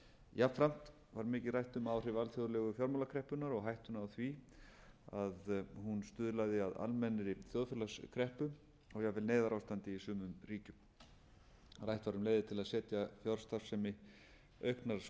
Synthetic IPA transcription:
jafɾam̥t̪ | vaɾmɪːcɪrajht̪ʏmawr̥ɪvalθjoðɾlɛɣʏfjɔɾmowlakʰɾɛhpʏnaɾɔɣɦajht̪ʏnawθvi | aðhunst̪ʏðlaðɪaða̰lmɛnɾɪθjɔðfjɛlaskʰɾɛhpʏ | ɔɣjavɪlneːðaɾawst̪ant̪ɪisʏːmʏmɾiːcʏm | rajht̪vaɾʏmleːjðɪt̪ʰɪlaðsɛːt̪jafjɔɾ̥st̪aɾ̥sɛmɪ | œɥhknaɾ

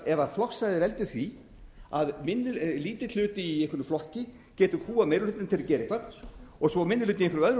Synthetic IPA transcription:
ɛvaflɔksajðɪvɛlt̪ʏθvi | aðmɪnːɪliːt̪ɪ̥ʏːt̪ɪiejhkʰʏɾnʏmflɔhcɪ | cɛːt̪ʏhuːaðmejɾʏlʏːt̪ɪnt̪ʰɪlacɛːɾɪkʰvat̪n̥ɔɣsɔmɪnːʏlʏːt̪ɪɪnfɾʏœðɾʏ

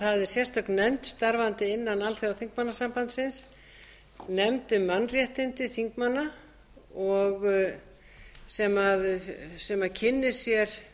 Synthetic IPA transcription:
θaðɛɾ̥sjɛr̥t̪θœknːɛmt̪st̪aɾvant̪ɪɪnːanalθejawθiŋkmanːasampant̪sɪns | nɛmt̪ʏmːanːrjɛht̪ɪnt̪ɪθiŋkmanːa | ɔɣ | sɛmaðsɛmaðcʰɪnːɪsjɛɾ̥

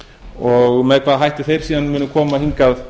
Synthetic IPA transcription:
ɔɣmɛðkʰvaːðɦajht̪ɪθejɾ̥siːðanmʏːnːʏkʰɔːmahiŋkað

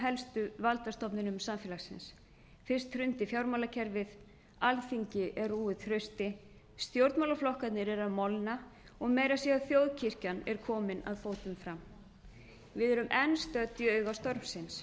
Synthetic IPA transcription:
ɦɛlst̪ʏvalt̪ast̪ɔpnɪnʏmsamfjɛːlasɪ̰ns | fɪr̥st̪hrʏnt̪ɪfjawɾmawlacʰɛɾvɪð | alθiɲcɪʔɛruːɪθɾœɥst̪ɪ | st̪jowɾt̪mawlaflɔhkat̪nɪɾɛɾaðmɔlna | ɔɣmeːjɾasjɛɣaðθjowðcʰir̥canɛɾ̥kʰɔːmɪna̰ðθoːwt̪ʏmfɾam | vɪðɛɾʏmʔɛnst̪œt̪ʏœːɥɣast̪ɔɾmsɪns

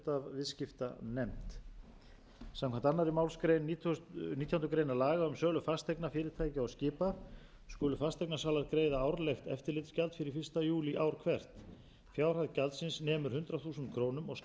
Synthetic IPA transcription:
t̪avvɪðscɪft̪a̰nɛmt̪ | sãmkʰaɛnt̪anːaɾɪmaːwlskɾejnnit̪ʰjawnʏkɾeːjnalaːɣaʏmsœːlʏfast̪ʰejknafɪːɾɪɾ̥t̪ʰaːjcɪawscɪːpa | skʏːlʏfast̪ejknasaːlaɾkɾeːjðaaːwɾleft̪ɛ̰ft̪ɪɾlɪt̪scalt̪fɪɾɪi̥fɪr̥st̪ajuːliʔaːwɾ̥kʰvɛr̥t̪ | fjaːwɾ̥haðcalt̪sɪnsnɛːmʏɾ̥hʏnt̪ɾaθuːsʏnt̪̚kʰɾoːwnʏmɔɣs

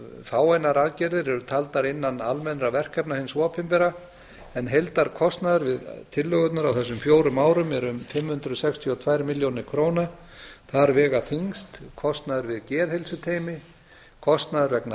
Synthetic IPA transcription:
faːwajnaɾaðcɛɾðɪɾɛɾʏt̪ʰalt̪aɾɪnːanalmɛnɾavɛr̥kʰɛpnahɪnsɔpʰɪmpɛɾa | ɛnɦejlt̪aɾ̥kʰɔst̪naðʏɾvɪðt̪ʰɪlːœɣʏt̪naɾawθɛs̬ːʏmfjoːwɾʏmaːwɾʏmɛɾʏmfɪmːhʏnt̪ɾʏðsɛkst̪ʰiɔt̪ʰvajɾmɪljownɪɾkʰɾoːwna | θaɾvɛːɣaθiŋst̪kʰɔst̪naðʏɾvɪðcɛːðhejlsʏt̪ʰeːjmɪ | kʰɔst̪naðʏɾvɛkna

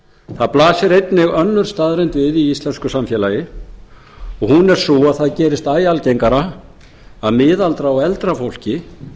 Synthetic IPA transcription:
θaðplaːsɪɾejt̪nɪɣœnːʏɾ̥st̪aːðɾejnt̪vɪðiist̪lɛnskʏsamfjɛːlajɪ | ɔɣhunɛɾ̥sɔaðθaðcɛːɾɪst̪aːjalcejŋkaɾa | aðmɪːðalt̪ɾaɔɛlt̪ɾafowl̥cɪ

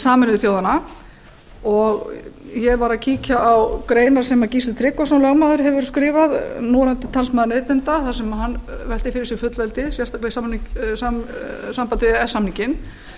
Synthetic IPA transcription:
saːmɛnʏðθjoːwðana | ɔɣçɛvaɾaðcʰiːcaʔawkɾeːjnaɾ̥sɛmaðciːst̪ɪt̪ʰɾɪkːɔsawlœɣmaːðʏɾ̥ɦɛvʏɾ̥skɾɪːvaðnɔɾant̪ɪ̥t̪ʰalsmaːðɾneːjt̪ɪnt̪aθasɛmaɦanːvɛl̥t̪ɪ̥fɪɾɪ̥ɾsɪɾfʏt̪lvɛlt̪ɪsjɛr̥st̪aklɛɣsamnsasampat̪ɪɛsamniŋcɪn

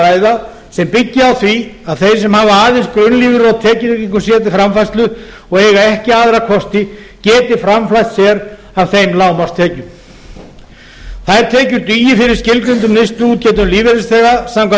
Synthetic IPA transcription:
aːjða | sɛmpɪcːɪawθviaðθejɾ̥sɛmhaːvaaːðɪnskɾʏnːliːvɪɾɔt̪ʰɛːcɪðʏkiŋkʏɾ̥sjɛːt̪̬ɪfɾamfajst̪lʏ | ɔɣeːjɣaɛhcɪaːðɾakʰɔst̪ɪ | cɛːt̪ɪfɾamflajt̪sjɛɾ | av̥θejmlaːwmast̪ʰɛːcʏm | θaɾ̥t̪ʰɛːcʏɾt̪yːjɪfɪɾɪɾ̥scɪlk̪ɾʏnt̪ʏmnest̪ʏuːt̪̚cɛːt̪ʏmliːvɪɾɪsθɛːɣasamkʰa

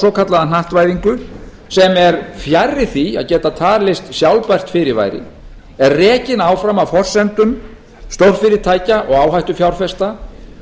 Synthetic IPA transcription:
ɔːkʰat̪laðan̥aht̪vajðiŋkʏ | sɛmɛɾfjarːɪθia̰ðcɛːt̪at̪ʰaːɾlɪst̪sjawlpajr̥t̪fɪɾɪva̰ːjɾɪ̰ | ɛɾrɛːcɪnaːwfɾamawfɔr̥sɛnt̪ʏn | st̪owr̥fɪɾɪɾt̪ʰaːjcaʔɔɣaːwɦajht̪ʏfjawr̥fɛst̪a

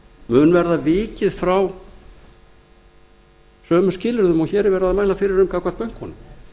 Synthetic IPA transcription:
mʏnvɛɾðavɪːcɪðfɾaw | sœːmʏscɪːlɪɾðʏmɔɣçɛːɾvɛːɾaðamaːjlafɪɾɪɾʏmkaːkvaɾt̪pœjŋ̥khɔnʏm

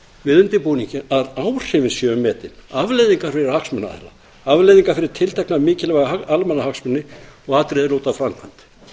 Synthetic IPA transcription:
vɪðʏnt̪ɪpuːniɲcɪaðawr̥ɪvɪnsjœːʏmːɛːt̪ɪnavlejðiŋkaɾ̥fɪɾɪɾhaksmʏna̰ðɛ̰la̰ | avlejðiŋkaɾ̥fɪɾɪɾ̥t̪ʰɪlt̪ʰɛknamɪːcɪlvaɣaaalmɛnahaksmʏnːɪɔɣat̪ɾɪðɪloːwt̪afɾaŋkʰant̪

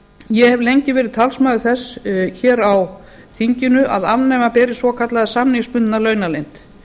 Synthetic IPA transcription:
jɛhɛvlejɲcɪvɛːɾɪðt̪ʰalsmaːðʏθɛsçɛːɾaw | θiɲcɪnʏʔaðavnɛmapɛːɾɪsvɔkʰat̪laðsamnijspʏnt̪ɪnalœːɥnalejn̥t̪

